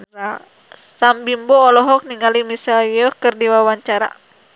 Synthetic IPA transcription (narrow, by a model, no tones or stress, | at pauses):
a | sambimbɔːlɔɦɔk̚niŋalimisaljɔkɨrdiwawaɲt͡ʃaɾa̰